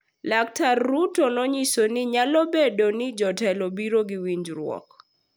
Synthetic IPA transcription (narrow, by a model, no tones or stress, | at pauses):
dak̚tarːutonɔɲisonɪɲalobedonɪd͡ʒɔtɛlobiɾoɡiwiɲd͡ʒɾwɔ̰k